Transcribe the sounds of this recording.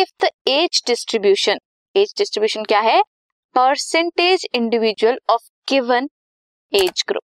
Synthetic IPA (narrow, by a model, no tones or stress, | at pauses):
ɪft̪ʰeːd͡ʒɖɪsʈɾɪbjuːʃən | eːd͡ʒɖɪsʈɾɪbjuːʃənkjaːɦɛ | pəɾsẽɳʈeːd͡ʒɪ̃ɳɖɪʋɪd͡ʒwəlɔːf | ɡ̥ɪʋən | eːd͡ʒɡɾʊ̰p̚